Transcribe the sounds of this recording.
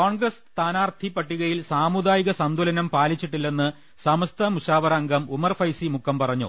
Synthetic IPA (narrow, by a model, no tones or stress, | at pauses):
koːɳɡrɐst̪ʰaːnaːrt̪ʰipːɐʈːiɣɐjilsaːmud̪aːjiɣɐsɐnd̪ʱulɐnɐmpaːlit͡ɕːiʈːilːe̞nːɨ | sɐmɐst̪ʰɐmuɕaːʋɐɾaːŋɡɐmumɐrfɐjsimukʰːɐmpɐrɐɲːṵ